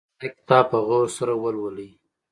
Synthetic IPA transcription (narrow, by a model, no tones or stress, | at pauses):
ekt̪ɑːpəɣoɾsaɾawəlwəli